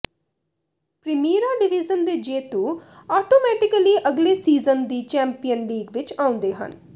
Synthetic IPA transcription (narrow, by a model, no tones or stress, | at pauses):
pɾɪmiːɾaːɖɪʋɪzənd̪eːd͡ʒeːt̪uːɔːʈoːmɛːʈɪkəliːʔəɡleːsiːzənd̪iːt͡ʃɛ̃ːmpijənliːɡʋɪt͡ʃãːʊ̃nd̪eːɦə̰n